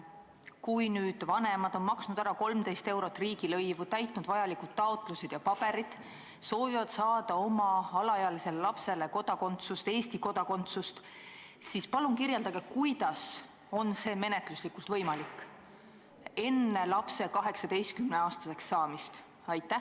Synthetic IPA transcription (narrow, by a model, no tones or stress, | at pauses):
kujnyːd̪̥vɑne̞mɑd̪̥o̞nmɑksnud̪̥æɾɑko̞lmd̪e̞jst̪e̞wɾo̞t̪ːˑriːɡ̥ilɤ̞jvut̪æjt̪ˑnud̪̥vɑjɑlikud̪̥̚t̪ːɑot̪ˑluse̞d̪̥jɑpɑb̥e̞ɾid̪̥ | so̞ːvivɑd̪̥sɑːd̪̥ɑo̞mɑɑlɑjɑlise̞lelɑpse̞le̞ko̞d̪̥ɑko̞nt̪sust̪e̞ːst̪iko̞d̪̥ɑko̞nt̪sust̪ | sispɑlunkirje̞ld̪ɑɡ̥e̞kujd̪̥ɑs | o̞nse̞ːme̞net̪ˑluslikːult̪vɤjmɑlikːˑ | e̞nːe̞lɑpse̞kɑɦe̞ksɑd̪e̞jst̪̚kymne̞ɑːst̪ɑse̞ksːɑːmist̪ | ɑjt̪ːæ